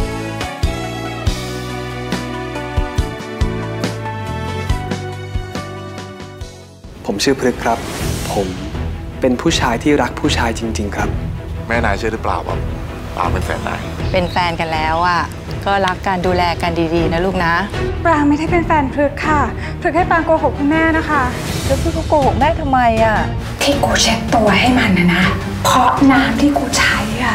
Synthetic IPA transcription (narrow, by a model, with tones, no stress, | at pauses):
pʰo˩˦mt͡ɕʰɯ˥˩ɐpʰɾɯ˦˥kʰɾa˦˥pʰːo˨˩˦mpe˧npʰuː˥˩t͡ɕʰaː˧jt̪ʰiː˥˩ɾa˦˥k̚pʰuː˥˩t͡ɕʰaː˧jt͡ɕi˧ŋt͡ɕi˧ŋkʰɾa˦˥p̚mɛː˥˩naː˧t͡ɕʰɯ˥˩əɾɯ˦˥pla̰ː˨˩wka̰˧˩ | pla̰ː˧˩wpe˧nfɛ̰ː˨˩nːa̰ː˧˩jpe˧nfɛː˧nka˧nlɛː˦˥wʔa˥˩ | kɔː˥˩ɾa˦˥kːaː˧nduː˧lɛː˧ka˧ndiː˧diː˧na˦˥luː˥˩k̚na˦˥pɾaː˧ŋma˥˩jda˥˩jpe˧nfɛː˧npʰɾɯ˦˥kʰːa˥˩ | pʰɾɯ˦˥k̚ha˥˩jpaː˧ŋkoː˧ho˨˩k̚kʰu˧nmɛː˥˩na˦˥kʰa˦˥ | pʰɾɯ˦˥k̚ʰɯ˥˩kʰo˧koː˧ho˨˩k̚mɛː˥˩t̪ʰa˧mːa˧jʔa˧˩ | t̪ʰiː˥˩kuː˧t͡ɕʰe˦˥t̚t̪u˧ɐɦa˥˩jma˧nːa˧˩na˦˥ | pʰɔ˦˥naː˦˥mt̪ʰiː˥˩kuː˧t͡ɕʰa˧˦˥ja˥˩